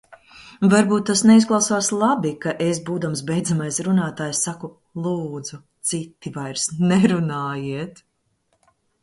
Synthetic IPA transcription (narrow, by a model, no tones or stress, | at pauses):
vaɾbuːt̪ːasneizɡlˠawsaːslˠabikaʔesbuːd̪ams̬bɛjd̪zamajsɾunaːt̪aːjsːaku | lˠuːd̪z̥u | t̪sit̪ːivajɾsnɛɾunaːjiɛt̪